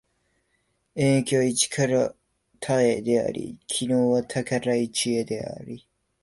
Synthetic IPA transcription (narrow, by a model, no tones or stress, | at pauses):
ẽŋkʲoit͡ɕi̥kʰaɾa | t̪ʰaed̪e̞a̰ɾḭkʲʰinoːβat̪ʰakaɾait͡ɕied̪e̞a̰ɾʲi